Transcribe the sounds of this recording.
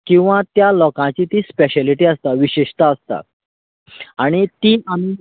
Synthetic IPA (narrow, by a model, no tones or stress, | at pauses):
kĩw̃ʋãt̪jalɔkãt͡ɕit̪iːspeɕɛliʈiːəst̪aʋiɕeɕt̪aəst̪a̰ | aɽ̃it̪iːʔami